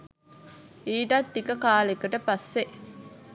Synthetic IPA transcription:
iːʈɐt̪ːikəkaːlekɐʈəpɐsːe

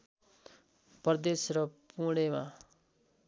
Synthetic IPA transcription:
prʌd̪esrʌpuɽ̃ema

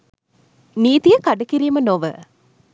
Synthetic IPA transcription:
niːt̪ijəkɐɖɐkiɾiːmənoʋə̰

